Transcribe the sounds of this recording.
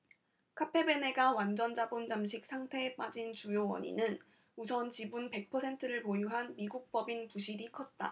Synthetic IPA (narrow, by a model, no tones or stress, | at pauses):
kʰapʰe̞be̞ne̞ɡawand͡ʑʌnd͡ʑabond͡ʑamɕʰik̚sʰaŋtʰe̞p͈ad͡ʑint͡ɕujowʌ̰ɲḭnɯn | usʰʌnt͡ɕibunpe̞k̚pʰʌsʰe̞ntʰɯɾɯɭpojuɦanmiɡuk̚p͈ʌbinpuɕʰiɾikʰʌt̚t͈a̰